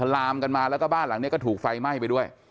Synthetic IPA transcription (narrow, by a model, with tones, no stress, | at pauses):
a˧˩laː˧mka˧nmaː˧lɛ˦˥kɔː˥˩baː˥˩nla˩˦ŋni˦˥ɐ˩kːɔ˥˩t̪ʰːk̚fa˧jma˥˩jp̬a˧jdu˥˩əj